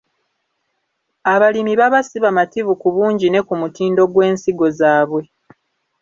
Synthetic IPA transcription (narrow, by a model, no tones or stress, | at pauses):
aβalimiβaβasiβamatiβukuβuːɲɟine̞kumutiːndo̞ɡwe̞ːnsiɡo̞zaːβwe̞